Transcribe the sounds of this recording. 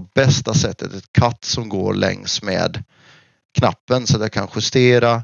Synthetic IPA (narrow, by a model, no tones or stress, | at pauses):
bɛst̪asɛt̪ʰːə̰t̪ɛt̪kʰat̪ːsɔmɡoːɾɭʔɛ̰ŋsmḛːd̪ | kʰnapːənsɔat̪jaːkʰanɧɵst̪eːɾa